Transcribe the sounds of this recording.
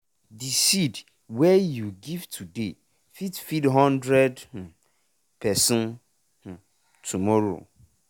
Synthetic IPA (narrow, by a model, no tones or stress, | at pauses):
disid | wɛjuɡivtʰude | fitfidɦɔ̃ndɾɛd̩̃ | pʰɛsɛ̃n | hʊ̃ | tʰumɔɾo̰